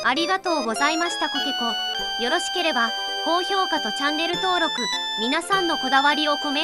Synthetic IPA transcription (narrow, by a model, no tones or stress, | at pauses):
aɾʲiɡat̪o̞ːɡo̞zaimaɕi̥t̪akokiko̞ | jo̞ɾo̞ɕi̥ke̞ɾe̞ba | ko̞ːço̞ːkat̪o̞t͡ɕãnːe̞ɾɯ̟t̪o̞ːɾo̞kɯ̟ | mʲinasãnːo̞ko̞d̪aβaɾʲio̞ko̞me̞